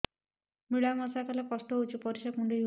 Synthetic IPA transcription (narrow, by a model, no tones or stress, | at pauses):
miɭamɔsakalekɔsʈ̪ɔɦowt͡ʃʰipɔɾiʃakuɳɖiju